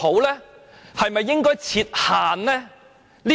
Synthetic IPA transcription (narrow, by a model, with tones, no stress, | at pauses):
o˨˥wlɛː˥hɐ˨jmɐ˨jːɪ˥ŋkɔː˥jt͡sʰiː˧t̚haː˨nlɛː˥ | liː˦